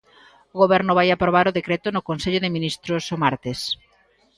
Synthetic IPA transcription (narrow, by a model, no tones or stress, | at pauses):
ʊɣoβɛɾnʊβ̞ajapɾoβaɾʊðekɾɛt̪ʊnʊkonseʎʊðɪminist̪ɾʊsomaɾt̪es